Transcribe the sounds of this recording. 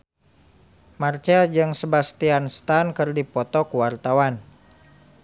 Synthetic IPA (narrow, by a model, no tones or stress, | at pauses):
mart͡ʃad͡ʒɨŋsəbast̪ianst̪ankɨrdipɔt̪ɔkuwart̪awan